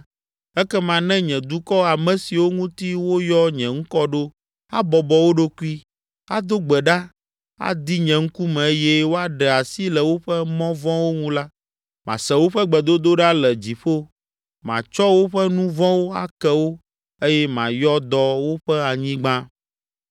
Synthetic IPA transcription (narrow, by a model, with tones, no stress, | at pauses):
ɛ˦kɛ˦mã˨nɛ̃˦ɲɛ̃˨d̪u˦kɔ˦a˨mɛ̃˨si˨wo˦ŋũ˦t̪i˦wo˦jɔ˦ɲɛ̃˨ŋ̩˦kɔ˦ɖo˦ | a˦bɔ˨bɔ˨wo˦ɖo˦ku˦i˦ | a˦d̪o˦ɡ͡bɛ˨ɖa˦ | a̰˦d̪i˦ɲɛ̃˨ŋ̩˦ku˦mɛ̃˨e˦jɛ˦wo˦a˦ɖɛ˨a˨si˦lɛ˨wo˦ɸɛ˦mɔ̃˦vɔ̃˦wo˦ŋũ˦la˦ | mã̰˨sɛ̃˨wo˦ɸɛ˦ɡ͡bɛ˨d̪o˦d̪o˦ɖa˦lɛ˨d͡ʑi˨ɸo˦ | mã̰˨t͡ʃɔ˦wo˦ɸɛ˦nũ˦vɔ̃˦wo˦a̰˦kɛ˨wo˦ | e˦jɛ˦mã̰˨jɔ˦d̪ɔ˦wo˦ɸɛ˦a˨ɲĩ˦ɡ͡bã˦